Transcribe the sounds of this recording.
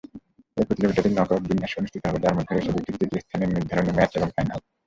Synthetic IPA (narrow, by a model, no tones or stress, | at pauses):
epɾot̪ilobiʈaɾinɔt̪ok̚binːaʃonuʃt̪ʰit̪oɦɔbet̪aɾmod̪ʱːeeʃobikɾikt̪ʰit̪iest̪ʰaneɾniɾd̪ʱaɾonemɛt͡ʃeboŋfajna̰l